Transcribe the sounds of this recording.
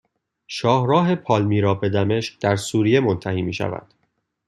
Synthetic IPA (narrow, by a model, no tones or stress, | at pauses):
ʃɒːhɾɒːɦe̞pʰɒːlmiːɾɒːbe̞d̪æme̞ʃk̚d̪̥æɾsuːɾije̞mo̞nt̪ʰæhiːmiːʃæ̰væ̰nd̪̥